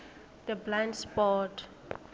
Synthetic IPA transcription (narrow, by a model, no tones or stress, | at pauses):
d̪̥əblãndspɔt